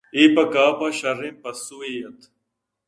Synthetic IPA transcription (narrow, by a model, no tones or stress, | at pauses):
iːpɐkaːpɐɕɐɾimpɐsuːijɐt̪ʰ